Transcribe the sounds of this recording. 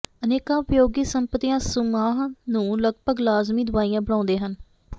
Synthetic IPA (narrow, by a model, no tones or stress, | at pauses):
əneːkãːʊpjoːɡiːsəmpət̪iːãːsʊmaːɦnũːləɡpəɡlaːzmiːd̪ʊʋaːijãːbəɽãːnd̪eːɦən